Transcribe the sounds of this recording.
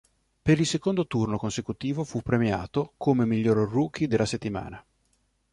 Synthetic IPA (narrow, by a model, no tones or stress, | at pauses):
peɾilsekond̪ot̪urnokonsekut̪iːvofupːɾemja̰ːt̪okʰomemiʎːoːɾruːk̟ʰid̪elːaset̪ːima̰ːna